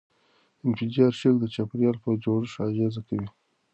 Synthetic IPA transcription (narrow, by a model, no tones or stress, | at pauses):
ɪnfɪd͡ʒɑɾʃəkd̪ət͡ʃapɪɾjɑlpəd͡ʒoɾɪʃɑʒezakawi